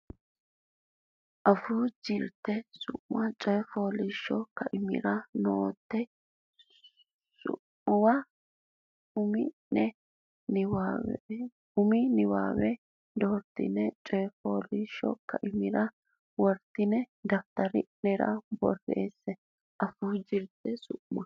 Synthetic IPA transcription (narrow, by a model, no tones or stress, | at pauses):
ʔɐfud͡ʒɪɾt̪ːɛsʊʔwɐt͡ʃʼɔjɛfoːlɪʃːɔkːɐʔɪmɪ̰ɾɐnoːt̪ːɛ | sʊ̰ | ʊwɐ | ʊmɪ | ɛ | nwa | ʊmɪnɪwa̰ːwɛ | d̪oːɾt̪ɪ̰nɛt͡ʃʼɔjɛfoːlɪʃɔ̰kːɐʔɪmɪɾɐ | wɔɾt̪ːɪnɛ | d̪ɐf̚t̪ɐɾɪ̰nɛɾɐ̰bɔ̰rːḛːsːɛ | ʔɐfuːd͡ʒɪɾt̪ɛsʊʔmɐ